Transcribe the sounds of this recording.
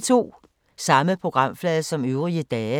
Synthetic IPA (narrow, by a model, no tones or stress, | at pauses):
t͡sʰo̝̰ː | sɑ̈məpʰʁo̝ɡ̥ʁɑ̈m̰flɛːðˠsɒ̽møʊʁiəd̥ɛː